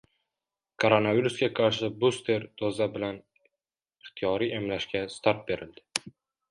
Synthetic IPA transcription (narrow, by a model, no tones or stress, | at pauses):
kʰoɾonaviɾusɡʲaqʰɑɾʃɪbust̪ʰe̞ɾd̪ʰozabɪlan | ɪχt̪ʰijɒɾiʔemlaʃkʲast̪ʰaɾt̪̚be̞ɾɪld̪ɪ